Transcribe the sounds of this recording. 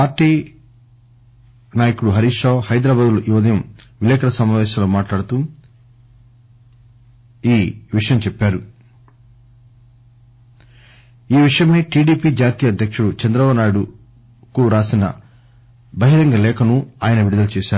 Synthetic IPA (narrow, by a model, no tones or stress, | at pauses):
paːɾʈːiː | naːjɐkuɽuɦɐɾiːʂaːwhɐjd̪ɾɐbaːd̪ulɐʔuʋɐd̪ɐjɐmʋilɛːkɐɾɐsɐmaːʋɛːsɐːloːmaːʈlaːɽut̪uː | iːʋiʂɐjɐmt͡ʃɛpːaːɾu | iːʋiʂɐjɐmeːʈiːɖiːpiːd͡ʒaːt̪iːjɐd̪ʱjɐkʂuɽut͡ʃɐnd̪ɾɐʋɐnaːjuɽu | kuɾaːsinɐ̰ | bɐɦiɾɐŋɡɐlɛːkɐnuaːjɐnɐʋiɽid̪ɐlut͡ʃɛːʃaːɾu